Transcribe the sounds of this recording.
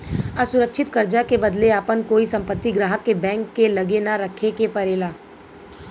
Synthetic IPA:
əsʊɾəkʃʰɪt̪kəɾd͡ʒakebəd̪leapənkoːisɐ̃mpət̪ːiɡɾaːɦəkːebɛ̃ːŋkːelɐɡenaɾəkʰekepɐɾeːlaː

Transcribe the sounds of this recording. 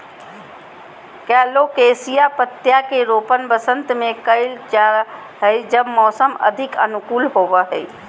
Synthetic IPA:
kɛːlokesijapət̪ːjakeɾopənbəsə̃nt̪mẽkəɪlt͡ʃa | ɦəɪd͡ʒəbmɔːsəmə̰d̪ʱɪkə̰nukuːlɦobəɦəɪ

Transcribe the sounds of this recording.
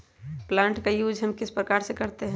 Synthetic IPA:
plãːɳʈkajuːd͡ʒʱɦɐ̃mkɪspɾəkaːɾsekɐɾt̪eɦɛ̃

